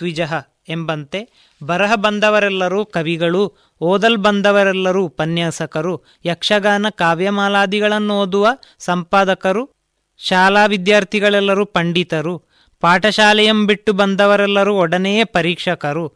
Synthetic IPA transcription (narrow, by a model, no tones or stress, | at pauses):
t̪ʋid͡ʒɐɦɐ | embɐnt̪e̞ | bɐɾɐɦɐbɐnd̪ɐʋɐɾɛlːɐɾuːkɐʋiɡɐɭu | ɔːd̪ɐlbɐnd̪ɐʋɐɾɛlːɐɾupɐnjaːsɐkɐɾu | jɐkʂɐɡaːnɐkaːʋjɐmaːlaːd̪iɡɐɭɐnːuoːd̪uʋɐsɐmpaːd̪ɐkɐɾu | ʃaːlaːʋid̪jaːɾt̪ʰiɡɐɭɛlːɐɾupɐɳɖit̪ɐɾu | paːʈɐʃaːlɐjɐmbiʈːubɐnd̪ɐʋɐɾɛlːɐɾuɔɽɐnejepɐɾiːkʂɐkɐɾu